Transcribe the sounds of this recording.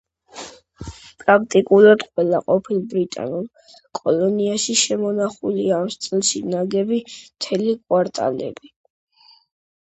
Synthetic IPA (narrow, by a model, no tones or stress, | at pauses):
pʼɾak̚ʰt̪ʼikʼulˠad̪̥qʼwɛlaqʼɔpʰilˠbɾit̪ʼa̰nulˠ | kʼɔlɔniaʃiʃɛmɔnaχuliaːmst̪sʼɛlˠʃinaɡɛbimt̪ʰɛlikʼwaɾt̪ʼa̰lɛ̰bi